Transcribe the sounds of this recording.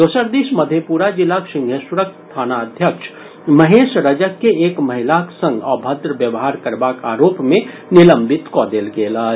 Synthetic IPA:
d̪oːsəɾd̪iʃməd̪ʱjepuːɾad͡ʒilːakʃɪ̃ŋɡʱesɾək̚t̪t̪ʰaːnaəd̪ʱjəkʃʰ | məɦeːʃɾəd͡ʒəkːeeːkməɦilaksə̃ŋɡɔbʱəd̪ɾəbjəʋɦaːɾkəɾbaːka̰ːɾoːpmẽ | nɪləmbɪt̪kɔd̪eːlɡeːla

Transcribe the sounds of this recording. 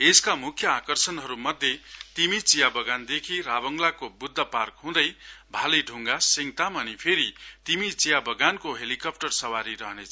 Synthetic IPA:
eskamukʰjʌakʌrsʌnɦʌɾumʌd̪ʱjet̪imit͡sijabʌɡand̪ekʰiɾabʌŋɡlakobud̪ʱːʌparkɦũd̪ʌjbʱaleɖʱuŋɡasiŋt̪amʌnipʰeɾit̪imit͡sijabʌɡankoɦelikʌp̚ʈʌrsʌwaɾiɾʌɦnet͡sʰʌ

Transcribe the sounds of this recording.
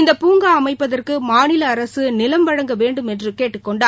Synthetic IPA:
ɪnd̪ɐpuːŋɡaːɐmɐɪpːɐðɐrkɯmaːnɪlɐːɾɐsɯnɪlɐmbɐɻɐŋɡɐʋeːɳɖɯmɛndrɯkeːʈːɯkːɔɳɖaː

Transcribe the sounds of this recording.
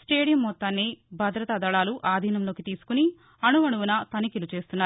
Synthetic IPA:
sʈe̞ːɽijɐmːɔt̪ːaːnːibʱɐd̪ɾɐt̪ɐd̪ɐɭaːluʔaːd̪ʱiːnɐmlo̞ːkit̪iːsu̥kuni | ɐnuʋɐnuʋunɐt̪ɐnikilut͡ʃe̞ːst̪unːaːɾu

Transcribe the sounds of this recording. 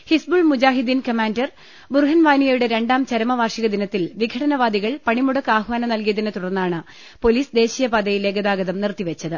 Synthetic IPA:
hisbuɭmud͡ʑaːɦid̪inkɐmaːndɐr | burɦɐnʋaːnijɐjuɽeɾe̞ɳɖaːmt͡ɕɐɾɐmɐʋaːrʂiɣɐd̪inɐt̪ːilʋiɡʱɐɽɐnɐʋaːd̪iɣɐɭpɐɳimuɽɐkːaːɦʋaːnɐmnɐlkijɐðinɨt̪uɽɐrnːaːɳɨ | po̞liːsd̪e̞ːɕijɐbad̪ɐjile̞ːɡɐd̪aːɡɐðɐmnirt̪iʋet͡ɕːɐðɨ

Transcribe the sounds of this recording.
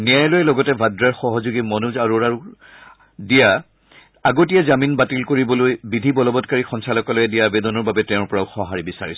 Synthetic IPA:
nijajlojɛlɔɡɔtɛbʱadɹaɹxɔɦɔzuɡimɔnuzaɹuɹaɹu | dija | aɡotijɛzaminbatilkoɹibɔlojbidʱibɔlɔbɔtkaɹixɔnsalɔkɔlojɛdijabedɔnɔɹbabɛtɛʊ̃ɹpɔɹaʊxɔɦaɹibisaɹisɔ̥

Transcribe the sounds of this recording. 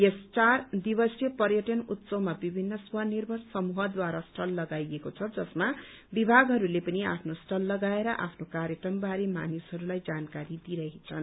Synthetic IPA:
est͡sard̪ibʌsjepʌrjʌʈʌnut̪sʌwmabibʱinːʌswɦʌnirbʱʌrsʌmuɦʌd̪waɾʌsʈʰʌlːʌɡajekot͡sʰʌd͡zʌsma | bibʱaɡɦʌɾulepʌniapʰnosʈʌlːʌɡaeɾʌʔa̰pʰnokaɾjekʌmbaɾema̰nisɦʌɾulajd͡zankaɾid̪iɾʌɦit͡sʰʌn

